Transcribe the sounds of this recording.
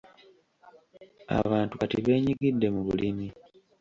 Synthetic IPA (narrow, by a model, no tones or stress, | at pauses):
a̰βaːntukatiβe̞ːɲiɡidːe̞muβulimi